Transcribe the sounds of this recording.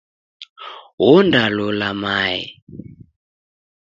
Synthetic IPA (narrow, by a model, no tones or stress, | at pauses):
ɦundalɔlamaḭ